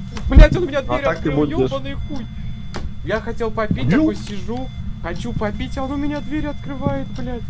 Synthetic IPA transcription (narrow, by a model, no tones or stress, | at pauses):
blʲætʲonʊmʲɪnʲad̪vʲeɾʲak̪k̪ɨɨbubonɨxunʲ | jaxɐtʲelˠpɐpʲit̚ʲt̪akojsʲɪʐuxɐt͡ɕupɐpʲitʲaonʊmʲɪnʲad̪vʲeɾʲɐt̪kɾɨvajɪt̪blʲætʲ